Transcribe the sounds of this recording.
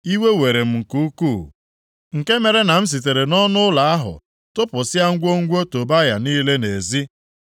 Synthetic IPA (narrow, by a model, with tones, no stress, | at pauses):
i˦we˦we˨ɾe˨m̩˨ŋ̩˨ku˦u˦ku˦˨ | ŋ̩˨ke˦me˨ɾe˦na˨m̩˦s̬i˨t̬e˨ɾe˨nɔ˦nʊ˦la˨a˦ɦʊ̰˨ | tʊ˦pʊ˨sɪ˦a˦ŋ̩˦ɡʷo˦ŋ̩˦ɡʷo˦to˨ba˦ja˨niː˦le˦ne˨zi˦